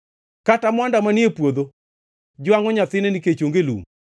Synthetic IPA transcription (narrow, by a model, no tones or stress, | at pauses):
katamwandamaniepwod̪o | d͡ʒʊaŋɔɲat̪ɪneniket͡ʃoŋɡelṵŋ